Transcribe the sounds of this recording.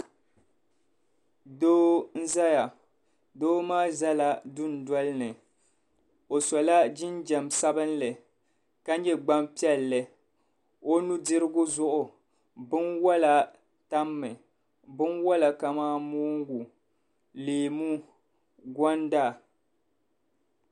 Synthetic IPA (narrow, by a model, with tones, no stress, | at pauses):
doː˦n̩˦za˦ja˨ | doː˦maː˦za˦la˦dʊ˦n˨dɔ˦lɨ˦nɨ˨ | o˨sɔ˨la˦d͡ʒɪ˦nd͡ʒa˨msa˦bɨ˦nlɨ˨ | ka˦ɲɛ˦ɡ͡ba˦mpi˦ɛ˦lːɨ˨ | o˦nu˦dɨ˦ɾɨ˦ɡʊ˦zʊ˦ʔʊ˨ | bɨ˦nwa˦la˨ | ta˦mːɨ˨ | bɨ˦nwɔ˦la˨ka˨maː˦moː˦ŋ˦ɡu˨ | leː˨mu˦ | ɡɔ˦nda˦˨